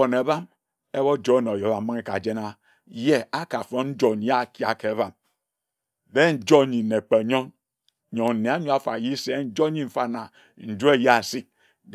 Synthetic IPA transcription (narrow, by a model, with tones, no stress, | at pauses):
o˨ne˨˦ba˦m | e˦βo˦d͡ʒo˦no˨jo˨˦βa˨˦mi˦ŋe˦ka˨d͡ʒe˦na˦ | je˦a˦ka˨fo˦n˦n̩˦d͡ʒo˨n˨ja˦˨ki˦˨a˨ke˨˦βa˨m | de˦n̩˦d͡ʒo˦˨ɲi˨ne˨k͡pe˨ɲo˦ŋ | ɲo˨ŋn̩˨ne˨a˦ɲo˦a˨fa̰˨ji˦se˦n̩˦d͡ʒo˦ɲi˦m̩˨fa˦˨na˨ | n̩˨d͡ʒu˦e˦ja˦˨si˦k̚